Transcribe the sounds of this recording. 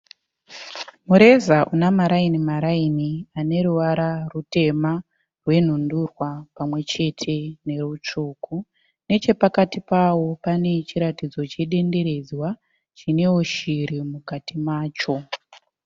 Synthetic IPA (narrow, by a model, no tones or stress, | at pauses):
muɾe̞zaʔunamaɾainimaɾainiane̞ɾuʋaɾarute̞ma | rwe̞n̤undurwapamwe̞t͡ʃe̞tʰe̞ne̞rut͡ʂuːku | ne̞t͡ʃe̞pakatipawo̞pane̞t͡ʃiɾatid͡zo̞t͡ʃe̞ɗe̞nde̞ɾe̞d͡zwa | t͡ʃine̞woʃiɾimukatʰimaːt͡ʃo̞